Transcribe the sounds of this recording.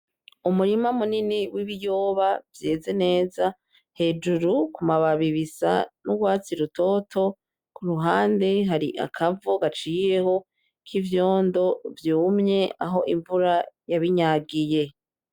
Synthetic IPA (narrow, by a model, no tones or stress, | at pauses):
umuɾimamuniniwiβijo̞ːβavje̞ːze̞ne̞ːza | he̞d͡ʒuɾukumaβaβiβisa̰nuɡwaːt͡siɾutʰo̞tʰo̞ | kuɾuɦaːnde̞ɦaɾiʔa̰kʰavuɡat͡ʃijeho̞ | kʰivjo̞ːndo̞vjuːmɲe̞ʔaɦo̞ʔiɱvuɾajaβiɲaːɡije̞